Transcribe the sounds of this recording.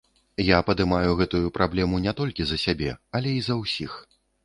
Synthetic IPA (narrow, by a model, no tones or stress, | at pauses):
japɐd̪ɨmajuɣɛt̪ujupɾablʲɛmunʲɛt̪ɔlʲkʲizɐsʲabʲɛɐlʲɛizɐwsʲix